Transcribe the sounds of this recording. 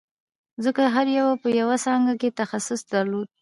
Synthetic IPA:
zəkaɦaɾjawapəjawasɑŋɡaket̪axasʊsd̪aɾlod̪̚

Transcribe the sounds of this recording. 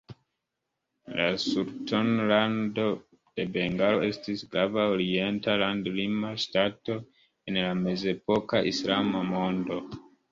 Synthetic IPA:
lasuɾtonlando̞ | d̥e̞be̞ŋɡalo̞e̞stisɡɾavaoɾie̞ntalandlimaʃtato̞ | enlame̞ze̞po̞kaʔislamamo̞ndo̞

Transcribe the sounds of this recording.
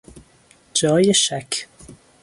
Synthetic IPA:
d͡ʒɒːjeʃækʰ

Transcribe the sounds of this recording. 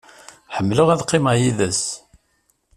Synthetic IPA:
ħəmːləʁæðqːɪmajiðæs

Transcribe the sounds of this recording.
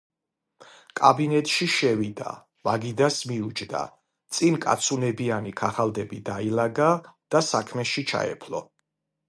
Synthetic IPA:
kʼabinɛt̪ʼʃiʃɛvid̪a̰ | maɡid̪asmiud͡ʒʰd̪a̰ | t̪sʼinkʼa̰t̪sʰunɛbianikʰaχald̪ɛbid̪ailaɡad̪̥asakʰmɛʃit͡ʃʰa̰ɛ̰pʰlɔ̰

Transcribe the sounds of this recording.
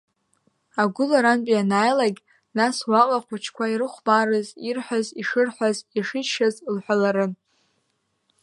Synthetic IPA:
aɡʷʊlaɾanpʼianaːjlaɡʲ | naswaqʼaqʷʰat͡ʃʰkʷʰairɨχʷbaɾɨzirħʷaziʂɨrħʷaziʂɨʃazlħʷᶣalaɾɨn

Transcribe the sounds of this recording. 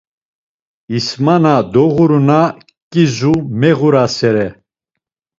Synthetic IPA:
ismanad̪ɔɣuɾuna | kʼizumɛɣuɾasɛɾɛ

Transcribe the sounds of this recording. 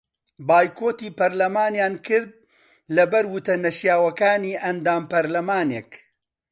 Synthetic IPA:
baːjkʰoːt̪iːpɐɾlɐmaːnjaːnkʰɨɾd̪̚ | lɐbɐɾwʊt̪ɐnɐʃjaːwɐkaːniːʔɐnd̪aːmpɐɾlɐmaːneːk

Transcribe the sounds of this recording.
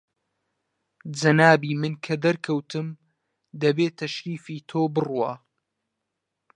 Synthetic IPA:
d͡ʒɐnaːbiːmɨnkʰɐd̪ɐɾkʰɐwt̪ʰɨm | d̪ɐbeːt̪ʰɐʃɾiːfiːt̪ʰoːbɨruwa

